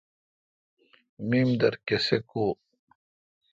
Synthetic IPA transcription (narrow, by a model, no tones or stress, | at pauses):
mimd̪ɐɾkesekoː